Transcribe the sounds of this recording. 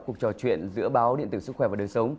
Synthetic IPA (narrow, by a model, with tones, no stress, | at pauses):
ku˨˩ək̚t͡ɕɔ˨˩t͡ɕwḭ˧˨ənzɨ̰˧˥əɓaː˨˦wɗḭ˧˨nt̪ɨː˧˩sɨ˦˥k̚xwɛː˧˩vaː˨˩ɗəː˨˩nsə˨˦wŋ͡m